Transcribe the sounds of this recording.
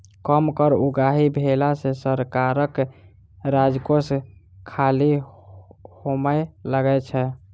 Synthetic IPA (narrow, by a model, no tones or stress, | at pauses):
kəmkəɾuɡaɦibʱelasesəɾkaɾək | ɾad͡ʒkos | kʰali | homəjləɡɛt͡ʃʰɛ